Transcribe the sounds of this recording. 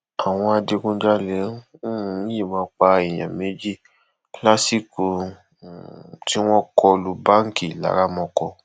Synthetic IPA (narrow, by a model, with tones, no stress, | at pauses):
a˨w̃ɔ̃˧a˧de˧kũ˧˦d͡ʒa˦lɛ˨˦ĩ˦je˦˨mãː˨˦k͡pa˧i˨j̃ã̰˨mẽ˨˦d͡ʒi˦˨ | la˦si˦ku˧ | ti˦w̃ɔ̃˦kɔ˧lu˦bã˦ŋ̩˦ki˦˨la̰˨˦ɾa˦mɔ̃˧kɔ˧